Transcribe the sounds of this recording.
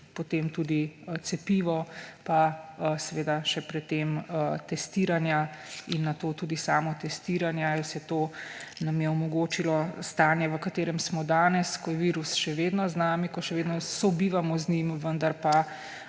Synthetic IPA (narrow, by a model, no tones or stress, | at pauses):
pɔt̪emt̪uːd̪it̪sɛpiːʋɔpasɛʋeːd̪aʃɛpɾɛt̪ːemt̪ɛst̪iːɾanjainːat̪oːt̪uːd̪isaːmɔt̪ɛst̪iːɾanjailsɛt̪onɐmjɛɔmɔɡoːt͡ʃilɔst̪aːnjɛʋəkat̪eːɾɛmsmɔd̪aːnɛskɔjɛʋiːɾusʃɛʋeːd̪nɔznaːmikɔʃɛʋeːd̪nɔsɔbiʋamɔznimʋənd̪aɾpa